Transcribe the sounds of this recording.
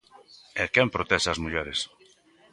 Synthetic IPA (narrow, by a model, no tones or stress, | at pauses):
ekɛmpɾot̪ɛsɐzmuʎɛɾes